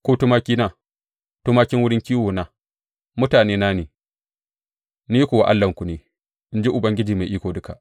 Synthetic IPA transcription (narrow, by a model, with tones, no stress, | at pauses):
koː˦tu˦maː˦kʲiː˦na˦ | tu˦maː˦kʲɪ˦ŋwʊ˦ɽɪ˦ŋkʲiː˦woː˨naː˦ | mʊ˦taː˨neː˦naː˦neː˨ | ni˦kʷu˨wa˨ʔa̰˦lːɐ˨ŋku˨neː˨ | ʔɪ˦nd͡ʒe˦ʔʊ˨bɐ˦ŋɡʲɪ˦d͡ʒiː˨ma˨ʔiː˦kʷoː˨dʊ˦ka˨ʔ